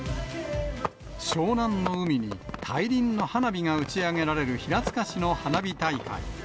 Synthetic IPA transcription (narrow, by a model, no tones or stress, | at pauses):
ɕo̞ːnãnːo̞ɯ̟mʲiɲ̟ḭt̪ʰaiɾʲĩnːo̞hanabʲiŋaɯ̟t͡ɕiaŋe̞ɾaɾe̞ɾɯ̟çiɾat͡sɨ̥kaɕino̞hanabʲit̪aika̰ḭ